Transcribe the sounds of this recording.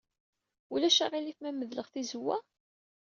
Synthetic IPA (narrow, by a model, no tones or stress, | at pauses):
ulæʃaʁiliθmæmːəðləʁθizəwːæ̰